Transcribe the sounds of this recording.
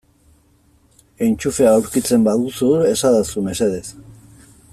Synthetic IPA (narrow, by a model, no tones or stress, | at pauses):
e̞jnt͡ʃufeaːwɾkit͡se̞mbaðusuɾe̞saðasume̞se̞ðe̞s